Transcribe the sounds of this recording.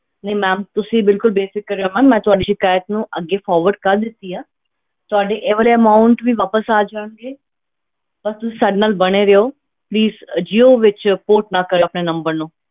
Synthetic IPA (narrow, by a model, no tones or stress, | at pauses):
nəimɛ̃ːmt̪ʊsĩːbɪlkʊlbeːsɪkːəɾːeoɦãːmɛ̃ːt̪ʊaːɖiːʃɪkaːjət̪nũːʔəɡːeːfʰɔːɾʋəɾɖkəɾd̪ɪt̪ːiːaː | t̪ʊaːɖeːʔeʋəlːəmaːʊɳʈʋiːʋaːpəsaːd͡ʒaːnɡeː | bəst̪ʊsĩːsaːɖenaːlbəɽ̃eːɾeoː | pliːzd͡ʒiːoːʋɪt͡ʃpoːʈ̚nakəɾeoəpneːnə̃mbəɾnũː